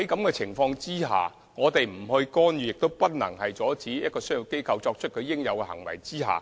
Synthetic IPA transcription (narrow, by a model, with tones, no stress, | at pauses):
ɐ˨˥jkɐ˨˥mkɛː˧t͡sʰɪ˨˩ŋfɔː˧ŋt͡siː˥ɦa̰ː˨ | ŋɔː˨˧t̪e˨jm̩˨˩hɵ˧ɥkɔː˥njyː˨˩jɪ˨k̚t̪o˥wpɐ˥t̚nɐ˨˩ŋɦɐ˨jt͡sɔː˨˥t͡siː˨˥jɐ˥t̚kɔː˧sɵ˥ji˨˩wke˥jkʰɐ˧wt͡sɔː˧k̚t͡ʃʰɵ˥t̚kʰɵ˨˧ɥjɪ˥ŋjɐ˨˧wkɛ˧hɐ̰˨˩ŋwɐ̰˨˩jt͡siː˥ɦa̰ː˨